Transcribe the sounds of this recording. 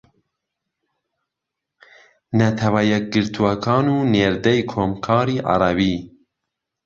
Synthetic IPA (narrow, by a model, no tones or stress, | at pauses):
nɛt̪ʰɛwajɛk̚ɡɨɾt̪ʰuwakʰɑːnuːneːɾd̪ɛjkʰoːmkʰɑːɾiːʔɑ̰ɾɑbiː